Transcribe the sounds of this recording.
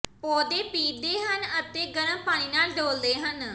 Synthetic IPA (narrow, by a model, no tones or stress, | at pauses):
poːd̪eːpiːd̪eːɦənət̪eːɡənə̃paːɽ̃iːnaːlɖoːld̪eːɦən